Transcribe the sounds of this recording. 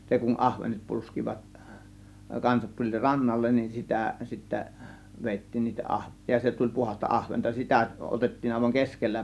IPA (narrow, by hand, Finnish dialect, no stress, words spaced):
se kun ɑhʋenet pulskiʋɑt kɑnsɑt tulʲ rɑnːɑlːen nin sitæ sitːæ ʋeˑitːiːn niːtæ ʔɑhʋe jɑ se tulʲ puhɑs̆tɑ ʔɑhʋentɑ sitæ ʔotetːiːn ɑˑe̝ʋɑŋ keskelːæ